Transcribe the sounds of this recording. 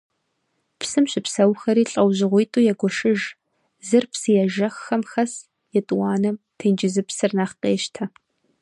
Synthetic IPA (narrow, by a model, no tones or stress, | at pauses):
psɨmɕɪpsɐwxɐɾiːɬʼɐwʑɪʁʷʊjtʼuːjɛɡʷɔʃɪʒ | zɨrpsɨjɛʒɐxːɐmxɐs | jɛtʼwɑːnɐm | tʰɨnd͡ʒɪzɨpsɨrnɐχqeːʃtʰɐ